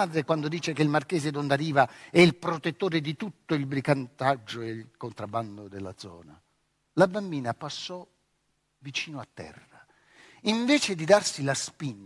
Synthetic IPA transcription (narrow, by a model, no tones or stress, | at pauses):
aːd̪ɾekwand̪od̪iːt͡ʃekeilmark̟ɛːzed̪ond̪aɾiːvaɛilpɾot̪et̪ːoːɾed̪it̪ut̪ːoilbɾikant̪ad͡ʒːoekont̪ɾabːand̪od̪elːa̰d̪zɔ̰ːna̰ | labambiːnapasːɔ | vit͡ʃiːnoat̪ːɛ̰rːa | iɱvɛːt͡ʃed̪id̪arsilaspin